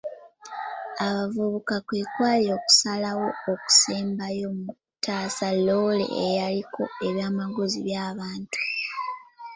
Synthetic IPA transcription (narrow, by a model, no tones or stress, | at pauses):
aβavuβukakweːkwaːlio̞ːku̥salawo̞ːku̥seːmbajo̞mu | tʰaːsalo̞lḛʔḛjalikʰo̞e̞βjaːmaɡoziβjaːβaːntu̥